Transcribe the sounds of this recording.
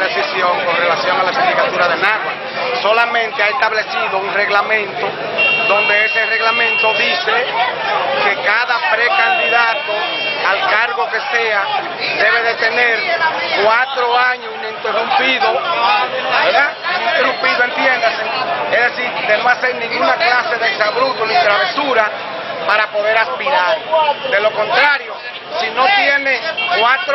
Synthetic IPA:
ðesisjoŋkonrelasjoŋalasind̪ikat̪uɾaðenata | solamẽnt̪eaest̪aβlesiðouŋreɣlamẽnt̪o | ðond̪eesereɣlamẽnt̪oðise | kekaðapɾekand̪iðat̪o | alkaɾɣokesea | d̪eβe̞ðet̪eneɾkwat̪ɾoaɲosnint̪erumpiðo | βeɾðaĩnt̪erumpiðoent̪jend̪aseeðesiɾd̪emasajnĩŋɡunaklaseðesaβɾut̪onĩŋt̪ɾaβesuɾa | paɾapoðeɾaspiɾaɾd̪eloko̞nt̪ɾaɾjo | sinot̪jenekwat̪ɾ

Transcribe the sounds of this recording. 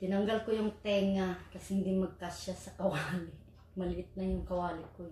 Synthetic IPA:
t̪ɪnaŋɡalkojʊŋt̪ɛŋakashɪnd̪imɐɡ̚kaʃasɐkɐwaːlɪ | mɐlɪʔɪt̪̚najʊŋkɐwalɪkoj

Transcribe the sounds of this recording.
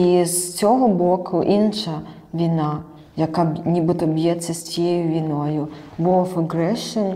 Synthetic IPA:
ist͡sʲoɦɔbokʰʊʔinʂɐ | vʲina | jɐkabnʲibɨt̪ɔbjɛt̪sʲɐsʲejʊvʲinojʊ | ʋɔfɐɡɾɛʂɨn

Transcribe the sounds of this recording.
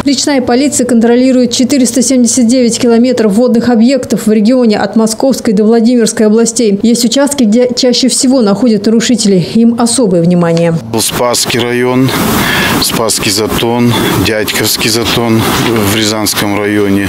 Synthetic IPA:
ɾʲɪt͡ɕnajəpɐlʲit̪sɨjəkənt̪ɾɐlʲiɾʊjɪt̪̚t͡ɕɪt̪ɨɾʲɪst̪əsʲemdʲɪsʲət̪̚dʲevʲɪtʲkʲɪlˠɐmʲe̞t̪ɾəfːo̞d̪nɨxɐbje̞kt̪əfvɾʲɪɡʲɪo̞nʲɪʔɐt̪mɐsko̞fskəjd̪əvlˠɐdʲimʲɪrskəjɐblˠɐsʲtʲejjesʲtʲʊt͡ɕast̪̚kʲɪɡdʲe̞t͡ɕæɕːɪfsʲɪvo̞nɐxo̞dʲət̪nəɾʊʂɨtʲɪlʲɪimɐso̞bɨjəvnʲɪmanʲɪjəɨlˠspaskʲijɾɐjo̞n | spaskʲizɐt̪o̞ndʲatʲkəfskʲijzɐt̪onvɾʲɪzanskəmɾɐjonʲɪ

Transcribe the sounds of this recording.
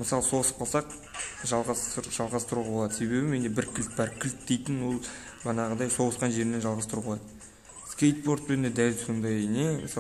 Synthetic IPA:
məsɑlˠəso̞ʁəsəp̚qʰɑlˠsɑq | ʒɑlˠʁɑʒɑlˠʁɑst̪əɾuʁɑbo̞lˠɑd̪əse̞βe̞bɪme̞nd̪e̞bɪɾkʲʰɪlt̪̚bɑɾkʲʰɪlt̪̚d̪e̞jt̪ɪnwo̞lˠ | ʒɑnɑʁəd̪ɑjso̞ʁəsqɑnʒe̞ɾɪnenʒɑlˠʁɑst̪əɾublˠɑd̪ə | skʲejt̪̚bo̞ɾt̪̚pend̪ed̪ælso̞nd̪ɑjneməs

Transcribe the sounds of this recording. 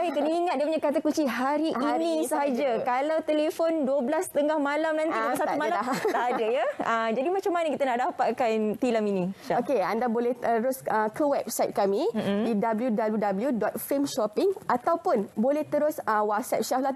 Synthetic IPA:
aikəniŋat̪̚diapəɲakat̪akut͡ʃiɦaɾiʔinĩsəɦad͡ʒakalawt̪elefonduəblast̪əŋahmalamnãnt̪isat̪umalat̪adajaəd͡ʒadimãt͡ʃamːanəkit̪anaʔdapat̪̚kant̪ilaminĩokeandabolɛht̪əɾʊsəkəwɛp̚sajt̪̚kamĩdidabəljudabljudabəljudɔt̪̚femʃɔpɪŋat̪awpʊnbolɛht̪əɾʊsəwaksɛ̰p̚ʃahla

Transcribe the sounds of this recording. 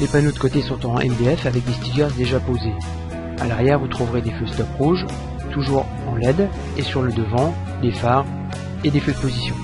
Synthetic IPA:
lepanod̪əkot̪esɔ̃t̪ɑ̃ɛ̰md̪eɛfavɛk̚d̪est̪iɡʲad̪eʒapoze | alaʁjɛʁvut̪χuvʁed̪eføst̪ɔpʁuʒ | t̪uʒuːʁ | ɑ̃lɛd̪ | esyʁləd̪əvɑ̃ | d̪efaːʁ | ed̪efød̪əpozisjɔ̃

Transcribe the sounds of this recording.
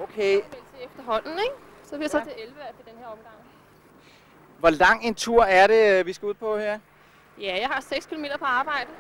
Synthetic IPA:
okʰeel̰t͡sʰeefd̥ɐɦɒ̽n̰n̩eɡ̥ | sɒ̥̽ijsɒt͡sʰe̝elʋəæfid̥enheɐ̰ɒ̽mɡ̥ɑ̈ŋ̰ | ʋɒlɑ̈ŋ̰e̝nt͡sʰuɐ̰æɐɾe̝ʋisɡ̥æuð̰ˠpʰɒ̽heɐ̰ | jæjɑ̈ɪhɑ̈seɡ̥skʰilome̝̰ːd̥ɐpʰɒ̽ɑ̈ːb̥ɑ̈ɪ̰d̥ə

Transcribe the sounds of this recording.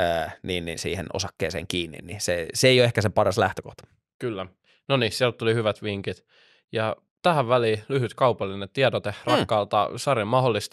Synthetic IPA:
əːniːnːḭnsḭːheno̰sɑkːḛːsḛːŋkiːnːḭnniseseeˑijoekæsepɑrɑslæht̪økoht̪ɑ̥ | kylːæ | nonisiælt̪t̪ulihyʋæt̪ʋiŋkit̪ | jɑ | t̪æhæʋʋæliːlyhyt̪kɑupɑlːinet̪iɑdot̪ehrɑkːɑːlt̪ɑ̰sɑrimɑholːist̪

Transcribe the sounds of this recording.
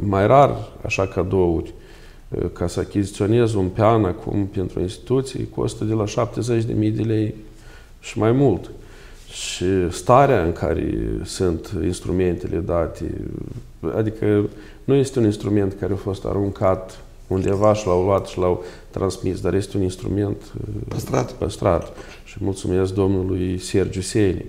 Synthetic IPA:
majrara̰ʃakad̪o̞urʲ | kʰasəakʲizit̪sio̞ne̞zunpeanakʰṵmpent̪ɾṵinst̪i̥t̪ut̪sij̰kʰo̞̰st̪əd̪elaʃap̚t̪ezet͡ʃʲd̪e̞̰mijd̪e̞lej | ʃimajmult̪ | ʃist̪aɾeaɨŋkʰa̰ɾḛsɨnt̪inst̪ɾume̞nt̪ḛlʔed̪at̪ḛ | a̰d̪ikʰə | nuje̞st̪euninst̪ɾume̞nt̪kʰaɾʔeafo̞st̪a̰ɾuŋkʰat̪ | und̪e̞vaʃilawluat̪ʃilawt̪ːɾʔansmisd̪aɾje̞st̪euninst̪ɾṵme̞nt̪əsat̪pəst̪ɾa̰t̪ | ʃimult̪sume̞sk̚d̪o̞mnulujserd͡ʒusenḭ

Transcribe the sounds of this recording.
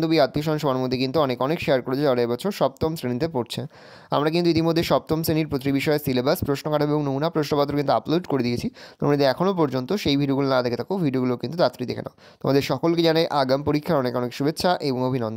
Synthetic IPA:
d̪obiat̪ːioʃɔnʃomaɾmod̪ʱːekint̪uɔnekɔnekʃeaɾkoɾet͡ɕʰed͡ʑaoaɾajbɔt͡ɕʰoɾʃɔb̚t̪omsɾenit̪̬epoɾt͡ɕʰen | a̰mɾak̬int̪uit̪imod̪ʱːeʃɔb̚t̪omsɾeniɾpɾot̪ɾibiʃɔesilebaspɾoʃnokaʈʰabeboŋnounapɾoʃnopat̪ːɾokint̪uaploɖkoɾed̪ijet͡ɕʰit̪o̰mnid̪eɛkʰonop̬ɔɾd͡ʑont̪oʃejbʱiɖioɡulonad̪ekʰet̪ʰakeobʱiɖioɡulokint̪ud͡ʑat̪ːɾid̪ḛkʰḛna̰t̪o̰mad̪eɾʃɔkolked͡ʑanajʔaɡampoɾikʰːaɾɔnekɔnekʃubetːɕʰaʔeboŋobʱinɔn

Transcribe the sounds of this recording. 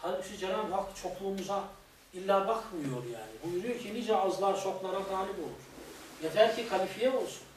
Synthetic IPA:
haliʃid͡ʒɛɾalhakt͡ʃʰo̞klˠuːmuza | ilʲːæːbakʰmɯjo̞ɾjaːnibuynycʰinid͡ʒɛɑzlˠaɾsʰo̞klˠaɾaɡaːlʲibo̞lˠuɾjad̪ælʲcʰikʰalifijɛo̞lˠsu̥n

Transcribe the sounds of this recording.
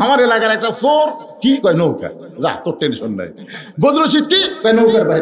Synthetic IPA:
ɦamaɾelakaɾɛk̚ʈasoɾ | kikɔjnoɦka̰ɾ | za̰t̪oɾʈensɔnːa̰j | bɔd̪ɾosit̪kikɔjnowkaɾbaɦiɾ

